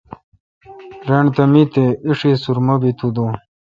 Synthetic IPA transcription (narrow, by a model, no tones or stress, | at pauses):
ɾeɳt̪ɐmit̪eiʂisuɾmɐbit̪ʰud̪o